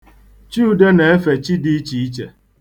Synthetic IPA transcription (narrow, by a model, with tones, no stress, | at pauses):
t͡ʃi˦u˨de˦ne˨e˦fe˨t͡ʃi˦di˦i˦t͡ʃi˨i˦t͡ʃḛ˨